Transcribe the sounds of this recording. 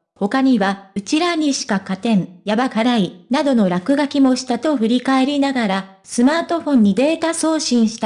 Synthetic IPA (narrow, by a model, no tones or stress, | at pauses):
ho̞kaɲ̟iβaɯ̟t͡ɕiɾaɲ̟iɕi̥kakat̪ẽ̞ɴjabaɡaɾainad̪o̞no̞ɾakɯ̟ɡakʲimo̞ɕi̥t̪at̪o̞ɸɯ̟ɾʲikae̞ɾʲinaɡaɾa | sɨmaːt̪o̞ɸõ̞ɲ̟ːid̪e̞ːt̪aso̞ːɕĩɰ̃ɕi̥t̪a